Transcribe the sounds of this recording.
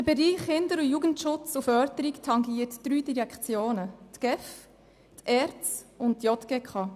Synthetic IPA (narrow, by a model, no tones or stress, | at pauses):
d̥̪əbɛɾiːχhɪnd̪əɾujuɡəntʃʊt͡sufœːɾtəɾiktʰɑŋɡiːəɾtd̥ɾyːdiɾɛkχt͡sjoːnətɡ̥ɛf | tʰɛɾt͡sʊnttjɔtɡ̥ekχɑ